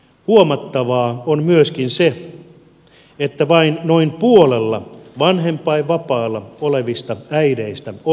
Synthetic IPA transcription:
huomɑt̪ːɑʋɑːonmyøskinse | et̪ːæʋɑinnoimpuolelːɑʋɑnɦempːˑɑiʋɑpɑːlːɑoleʋist̪ɑæiɾeist̪æo

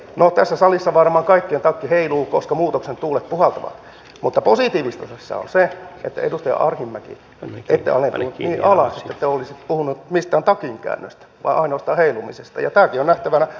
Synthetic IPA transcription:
not̪æsːæsɑlisːɑʋɑrmɑːŋkɑikːient̪ɑkːiheiluːkoskɑmuːt̪oksent̪uːlep̪puhɑlt̪ɑʋɑ̰t̪ | mut̪ːɑposit̪iːʋist̪ɑsesːɑ̰o̰nseḛt̪ːæ̰edust̪ɑjɑ̰ʔɑrhimːækḭ | ʔet̪ːḛɑ̰lnepuhnut̪iːʔɑlɑset̪ːæet̪ːeolisit̪puhunut̪mist̪æːnt̪ɑkiŋkæ̰ːnːø̰st̪ | ʋɑ̰iʔɑinost̪ɑːheilumisest̪ɑ̰jɑ̰t̪æːkionæht̪æʋænæ

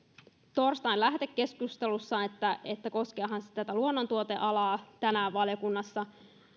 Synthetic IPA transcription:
t̪orst̪ɑinlæhd̪ekːe̞skust̪elusːɑet̪ːæet̪ːæko̞skeɑɦɑnse̥t̪æt̪æluonːont̪uot̪eʔɑlɑːt̪ænæːʋʋɑljokunːɑsːɑ

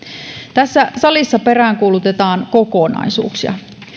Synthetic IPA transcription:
t̪æsːæsɑlisːɑpe̞ræːŋkuːlut̪et̪ɑːŋkoko̞nɑ̰isṵːksiɑ̰

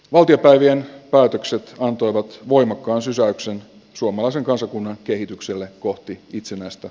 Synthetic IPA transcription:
ʋɑlt̪iopæjʋienpæːt̪økset̪ɑnt̪o̞jʋɑt̪ʋo̞jmɑkːɑːnsysæyksen | suomɑlɑiseŋkɑnsɑkunːɑŋke̞ɦit̪ykselːeko̞ht̪iit̪senæist̪æ

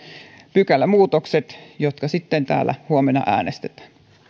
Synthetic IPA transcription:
pykælːæmuːt̪okset̪jot̪kɑsit̪ːent̪æ̰ːlːæ̰huomenɑ̰ʔæ̰ːnest̪et̪æ̥ːn

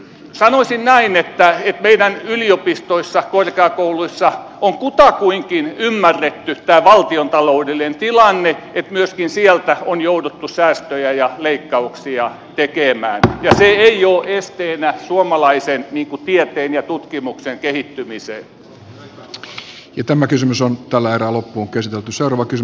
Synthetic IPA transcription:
sɑnosʲinnæinet̪ːæet̪meidænyliopist̪oisːɑkorkeɑkouluisːɑ | oŋkut̪ɑkuiŋkinymːærːet̪ːyt̪æːʋɑlt̪iont̪ɑloudelinent̪ilɑnːeet̪myøskinsielt̪æonjoudut̪ːusæːst̪øjæjɑleikːɑuksiɑ | t̪ekemæːnjɑseeioːʔest̪eːnæsuomɑlɑisenniːŋkut̪iet̪eːnjɑt̪ut̪kimukseŋkehit̪ːymisḛː | jɑt̪æmækysymysont̪ælːææeræːlopːuoŋkæsit̪elt̪yseurɑʋɑkysy

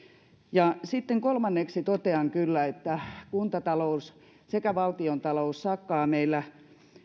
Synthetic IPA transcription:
jɑsit̪ːeŋkolmɑnːeksit̪ot̪eɑŋkylːæet̪ːækunt̪ɑt̪ɑlous | sekæʋɑlt̪iont̪ɑloussɑkːɑːmeilːˑæ

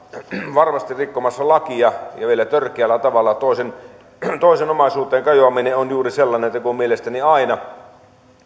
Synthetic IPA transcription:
ʋɑrmɑst̪irrikːomɑsːɑlɑkiɑjɑʋielæt̪ørkˑeælːæt̪ɑʋɑlːɑt̪oˑisen | t̪oˑisenomɑˑisuːt̪ˑeːŋkɑjoɑmineonjuːriselːɑneet̪ːækuommielest̪æniɑinɑ

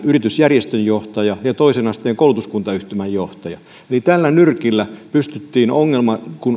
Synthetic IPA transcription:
yrit̪ysjærjest̪øjjoht̪ɑjɑjɑt̪oisenɑst̪ˑeːŋkoˑulut̪uskunt̪ɑyht̪ymæjjoht̪ɑjɑ | elit̪ælːænyrkilːæpyst̪yt̪ːiːnoŋːelmɑkun

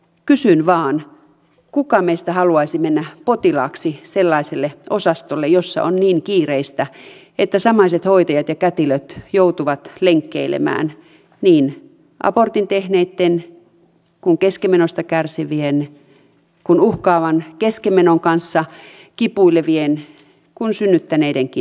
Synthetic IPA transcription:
kysynʋɑːn | kukɑmesi̥t̪æhɑluɑisimːenːæpot̪ilɑ̰ːksiselːɑiselːeʔosɑst̪olːejosːɑ̰onniːŋkiːreist̪æʔet̪ːæsɑmɑiset̪hoit̪ɑjɑt̪jɑkæt̪iløt̪jout̪uʋɑt̪leŋkːḛilḛmæ̰ːn | niːn | ʔɑ̰port̪int̪ehneit̪ːen | kuŋkeskemenost̪ɑkærsiʋien | kunuhkɑːʋɑnkeskemenoŋkɑnsːɑ | kipuilːeʋien | kunsynːyt̪ːæneideŋki

